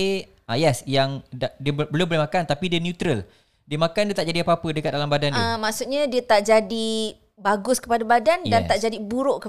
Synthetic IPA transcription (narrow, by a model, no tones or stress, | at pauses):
ajasjaŋdadiəbəlumbəlehmakant̪apidiənjut̪ɾəl | diəmakandiət̪aʔ̚d͡ʒadiapapədəkat̪̚dalambadaniãmaʔsut̪ɲãdiət̪aʔd͡ʒadi | baɡʊskəpadabadandant̪aʔd͡ʒadibuɾʊʔkə